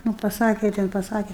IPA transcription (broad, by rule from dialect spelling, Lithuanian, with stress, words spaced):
nʊ pɐˈsɑːkʲɛ ˈtʲɛn pɐˈsɑːkʲɛ